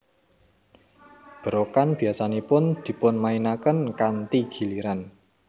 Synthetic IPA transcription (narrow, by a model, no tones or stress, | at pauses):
b̥ə̤ɾokanb̥i̤asanepʊnd̪̥i̤pʊnmainakənkant̪iɡ̥i̤liɾan